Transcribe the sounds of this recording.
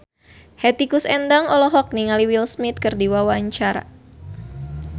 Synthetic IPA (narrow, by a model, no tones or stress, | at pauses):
hɛt̪ikusɛnd̪aŋɔlɔɦɔk̚niŋaliwilsmit̪̚kərdiwawaɲt͡ʃaɾa̰